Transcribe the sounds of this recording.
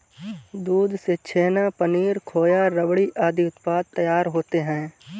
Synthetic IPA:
d̪uːd̪ʱset͡ʃʰeːnapəniːɾkʰoːjaɾəʋɽiʔaːd̪ʱiʊt̪paːd̪̚t̪ːɐjaːɾɦoːt̪eɦɛ̃ː

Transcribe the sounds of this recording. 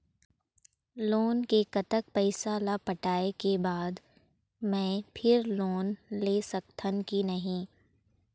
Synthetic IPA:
loːnkekɐt̪ək̚pəɪsalapəʈaːekebaːd̪ | mɛ̃ːpʰɪɾloːnleːsɐkt̪ʰənkinɐɦĩː

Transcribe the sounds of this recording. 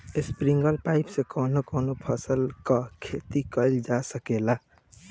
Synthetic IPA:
espɾiŋɡəlpaɪpsekɔnokɔnopʰəsəlkəkʰet̪ikəɪld͡ʒasəkela

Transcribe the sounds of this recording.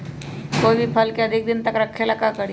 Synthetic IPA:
kobʱipʰəlkeɐd̪ʱɪk̚d̪ɪnt̪əkɾɐkʰːelɐkakəɽi

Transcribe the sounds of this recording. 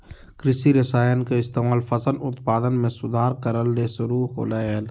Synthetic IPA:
kɾɪsiɾɪsaːjənkeɪst̪eːmaːlfʰɐsənʊt̪paːd̪ənmẽsʊd̪ʱaːɾkəɾəlːesʊɾuːɦo̰ːleːɦeːl

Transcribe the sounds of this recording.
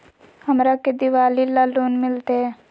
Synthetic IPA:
həmɾaked̪ɪʋaːlilaːloːnmɪlt̪eɛ

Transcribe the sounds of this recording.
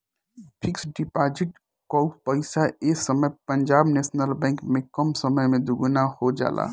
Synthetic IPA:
pʰɪksɖɪpaːd͡ʒɪʈ | kɔupəɪsaeːsəməjpəɲd͡ʒaːbneːsnəlbɛ̃ŋkmẽkəmsəməjmẽd̪uɡnahod͡ʒa̰ːlʔa̰ː

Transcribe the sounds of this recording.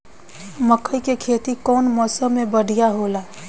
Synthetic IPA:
məkʰəikekʰeːt̪ikɔːnmɔːsə̃mẽbəɽ̤ʱijaɦoːlaː

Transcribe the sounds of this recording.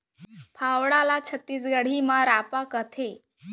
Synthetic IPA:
pʰawɽalat͡ɕʰət̪ːiːsɡəɽ̤imaɾapakət̪ʰe

